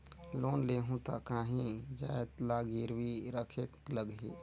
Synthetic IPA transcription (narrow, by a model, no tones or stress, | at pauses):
loːnleɦũt̪akaːɦĩd͡ʒaet̪laɡiɾwiɾəkʰekləɡɦiː